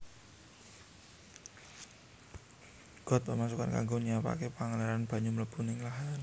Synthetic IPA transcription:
ɡ̥ɔ̤t̪̚pəmasuka̰nka̰ŋɡoniapa̰kepaŋaleɾanb̥a̤ɲumələpunɪŋlaɦan

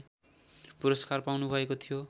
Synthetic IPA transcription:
puɾʌskarpawnubʱʌekot̪ʰijo

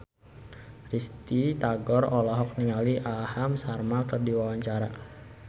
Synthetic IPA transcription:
rist̪it̪aɡɔrɔlɔɦɔk̚niŋaliʔahamsarmakərdiwawaɲt͡ʃaɾa̰

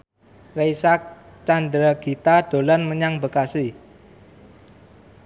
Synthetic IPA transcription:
rejsak̚ | t͡ʃand̪ɾaɡ̥i̤t̪ad̪̥o̤lanməɲaŋbəkasi

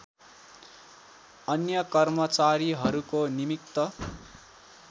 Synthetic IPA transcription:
ʌnjʌkʌrmʌt͡saɾiɦʌɾukonimik̚t̪ʌ

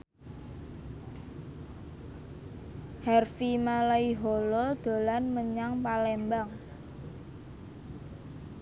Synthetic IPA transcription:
hɛrfimalaiɦoɔlɔd̪̥o̤lanməɲaŋpalɛmbaŋ

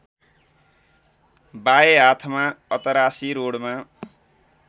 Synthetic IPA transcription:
baeat̪ʰmaʌt̪ʌɾasiɾoɽma

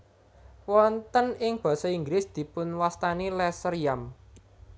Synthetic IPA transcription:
wɔnt̪ənɪŋb̥ɔ̤sɔiŋɡlɪsd̪̥i̤pʊnwast̪anilɛsərjam

